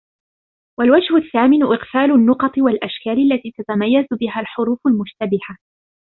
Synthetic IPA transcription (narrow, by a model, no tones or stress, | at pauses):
walwad͡ʒhʊθːaːmɪnʊʔɪqfaːlʊnːʊqɑt̪ˤɨwalʔaʃkaːlalːat̪iːt̪at̪amajːazbɪɦalħʊɾuːfʊlmʊʃt̪abɪha